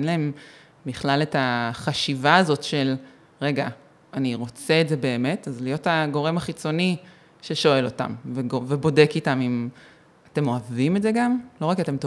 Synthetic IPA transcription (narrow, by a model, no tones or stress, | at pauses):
nlae̞m | biχlaletaχaʃivaːzo̞tʃe̞l | ʁe̞ɡa | aniʁo̞t͡seːtze̞be̞ːme̞tazlijo̞thaɡo̞ʁe̞maχit͡so̞ni | ʃeʃo̞e̞lo̞ta̰mveovebo̞de̞kitamim | ate̞mo̞avimetdze̞ɡamlo̞akate̞mto